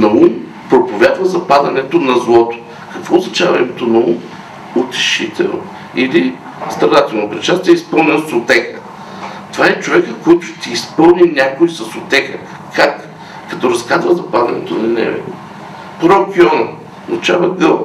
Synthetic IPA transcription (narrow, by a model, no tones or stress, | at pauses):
nɐum | pɾopovʲjad̪vɐzɐpad̪ɐnɛt̪onɐzlˠɔt̪o̥ | kɐkvɔoznɐt͡ʃavɐimɛt̪onɐṵm | ʊt̪ɛ̥ʃit̪ʰɛ̰lˠno̰ | ili | st̪ɾɐd̪at̪ɛlˠnopɾɛt͡ʃast̪vʲiɛispɤlˠnɛnˠsot̪ɛxə | t̪ovaɛt͡ʃovɛkəkɔjt̪ʊ̥t̪iːspɤlˠninʲakoisɐsot̪ɛxə | kʰakː | ɐt̪ɔɾɐskad̪vəzɐpad̪ɐ̰nɛ̰t̪onɐnɛ̰vɛ̰ | pɾokʲiɔnɐ | not͡ʃavɐɡɤlˠ